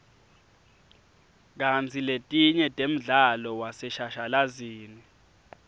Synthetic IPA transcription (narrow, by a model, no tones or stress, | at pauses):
k̬ant͡sʰiletʼiɲɛtʼem̩ɮalɔwasɛʃaʃalaziːni